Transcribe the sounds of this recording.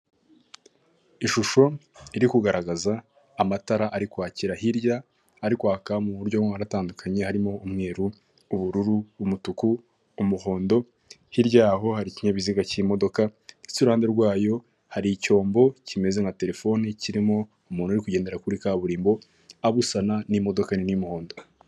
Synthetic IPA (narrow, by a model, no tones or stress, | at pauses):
iʃuʃo̞iɾikuɡaɾaɡazaː | mataɾaʔaɾikwaːciɾahiɾɟaː | ɾikwaːkamuβuɾɟoaɾataːndukʰaɲe̞haɾimo̞umŋe̞ːɾuː | βuɾuɾuːmutukuː | muho̞ːndo̞ | hiɾɟaɦo̞haɾiciɲaβiziɡacimo̞do̞kaisuɾuhaːnde̞ɾɡwaːjo̞ | haɾiːco̞ːmbo̞cime̞zeŋate̞ɾe̞fo̞niciɾimo̞ | umuːnhuɾikuɟe̞ːnde̞ɾakuɾikaβuɾiːmbo̞ | aβusananimo̞do̞kaninimuho̞ːndo